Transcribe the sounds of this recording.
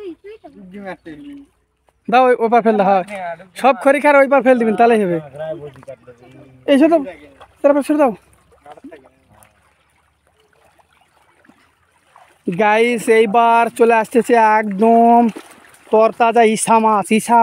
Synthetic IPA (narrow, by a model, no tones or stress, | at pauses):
d̪aobaɾpʰeld̪aɦasɔb̚kʰoɾikʰaɾoibaɾpʰeld̪ibint̪aleɦeβe | et͡ʃʰot̪ɔ | t̪ɾapaɾt͡ʃʰuɾd̪a | ɡaiseibaɾt͡ʃolast̪esʰeɛkd̪om | t̪ɔɾt̪ad͡ʒaisamasisʰa